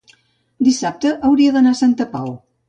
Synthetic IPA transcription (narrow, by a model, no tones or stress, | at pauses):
d̪isap̚t̪əʔəwɾiəðənasant̪əpaw